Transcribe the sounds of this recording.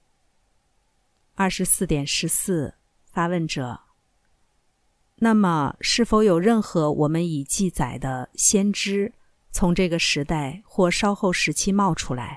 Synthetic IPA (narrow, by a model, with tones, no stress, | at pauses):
ɐ˥˩ʂɻ̩˧˥sɹ̩˥˩t̪jɛ˨˩nʂɻ̩˧˥sɹ̩˥˩ | fa˥wə˥˩nʈ͡ʂɤ̰˨˩˦ | na˥˩mə˩ʂɻ̩˥˩fo˧˥ʊjo˨˩ʊɻə˥˩nxɤ˧˥wʔɔ̰˨˩mə˦ni˨˩t͡ɕi˥˩t͡sa˨˩ɪd̪ə˦ɕjɛ˥nʈ͡ʂɻ̩˥ | t͡sʰʊ˧˥ŋʈ͡ʂɤ˥˩ɡə˩ʂɻ̩˧˥t̪a˥˩ɪxwɔ˥˩ʂɑ˥ʊxo˥˩ʊʂɻ̩˧˥t͡ɕʰi˥mɑ˥˩ʊʈ͡ʂʰu˥la̰˧˥ɪ